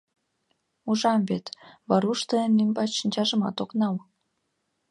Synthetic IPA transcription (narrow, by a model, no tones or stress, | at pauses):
uʒɑmvet̪βɑɾuʃt̪əenlymbɑʃənʲt͡ɕɑʒəmɑ̰t̪oknɑl